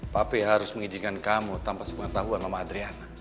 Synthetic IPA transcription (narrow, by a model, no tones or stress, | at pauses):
papiɦaɾʊsməŋid͡ʒinkankamut̪ampasə̥pəŋət̪aɦuanmamaːd̪ɾiana